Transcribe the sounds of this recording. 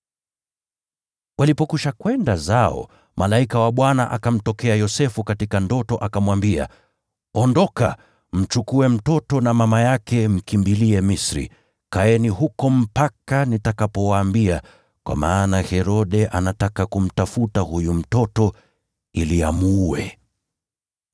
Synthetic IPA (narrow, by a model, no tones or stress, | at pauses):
walipɔkuʃakwɛndazaɔ̰ | malaikawaɓwanaʔakam̩tɔkɛajɔsɛfukatikandɔtɔʔakamwambia̰ | ɔndɔka̰ | m̩t͡ʃukuɛm̩tɔtɔnamamajakɛm̩kimbiliɛmisɾḭ | kaɛniɦukɔm̩pakanitakapɔwaːmbia | kwa̰maːnahɛɾɔɗɛʔanatakakum̩tafutahujum̩tɔtɔ | iliamuɛ̰